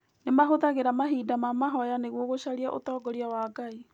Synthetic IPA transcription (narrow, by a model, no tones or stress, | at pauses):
nemaɦoðaɣeɾamaɦiːdamamaɦɔjaneɣwoɣoʃaɾiaʔo̰tɔːɡɔɾiawaːɡai